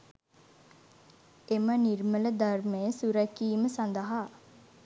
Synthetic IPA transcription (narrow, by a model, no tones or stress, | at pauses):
emənirmələd̪armejəsuɾækiːməsand̪əɦa